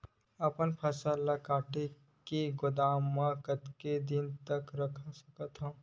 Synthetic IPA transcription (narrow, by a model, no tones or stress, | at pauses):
əpənpʰəsalakaːʈe | keɡʊd̪aːmãkət̪ked̪int̪əkɾəkʰəsəkət̪ɦũː